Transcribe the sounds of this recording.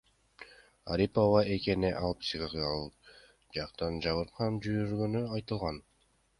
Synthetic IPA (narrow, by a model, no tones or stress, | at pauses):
aɾʲipovɑʔe̞ke̞neʔɑlˠpsiʁɑʁjɑlˠɯ | d͡ʒɑqt̪ɑnd͡ʒɑβɯɾqʰɑnd͡ʒyjyɾɡønyɑjt̪ɯlˠʁɑn